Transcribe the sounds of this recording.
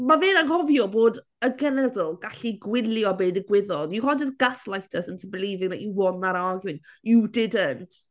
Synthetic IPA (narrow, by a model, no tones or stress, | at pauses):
maveːnaŋhɔvjɔboːd | əɡɛnɛdɔlˠɡaɬiɡwɪljɔbeːdəɡwɪðɔdjukɔd͡ʒəs̬ɡ̥aslˠajtʰəsəntʰəbəlˠiːvɪŋða̰ʔjuwɔnaɾaɡɨnjudɪdəntʰ